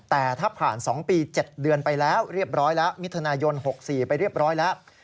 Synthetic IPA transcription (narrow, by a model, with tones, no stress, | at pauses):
t̪ɛː˨˩t̪ʰaː˥˩pʰaː˨˩nsɔ˩˦ŋpiː˧t͡ɕe˨˩t̪̚dɯ˧ənpa˧jlɛː˦˥wɾi˥˩əp̚ɾɔː˦˥jlɛ˦˥ʔmi˦˥t̪ʰːa˧naː˧jo˧nho˨˩k̚siː˨˩pa˧jɾi˥˩əp̚ɾɔː˦˥jlɛ˦˥ʔ